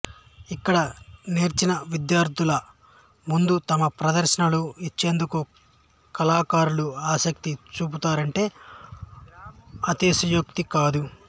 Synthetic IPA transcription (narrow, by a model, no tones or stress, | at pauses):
ikːɐɽɐniːɾt͡ʃinɐʋid̪jaːɾd̪ʱulɐ | mund̪ut̪ɐmɐpɾɐd̪ɐɾʃɐnɐluit͡ʃːe̞ːnd̪uku | kɐlaːkaːɾuluaːsɐk̚t̪it͡ʃuːp̬ut̪aːɾɐɳʈe̞ː | ɐt̪isujukt̪ikaːd̪u